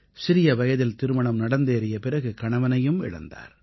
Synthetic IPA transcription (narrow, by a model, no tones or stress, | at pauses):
sɪɾɪjɐʋɐjɐðɪlt̪ɪɾɯmɐɳɐmnɐɽɐnd̪eːɾɪjɐpɪrɐɣɯkɐɳɐʋɐnɐjɯmɪ̰ɻɐ̰nd̪a̰ːɾ